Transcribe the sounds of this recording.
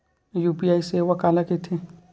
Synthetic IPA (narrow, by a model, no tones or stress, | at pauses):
jupiajsewakalakɪt̪ʰɪ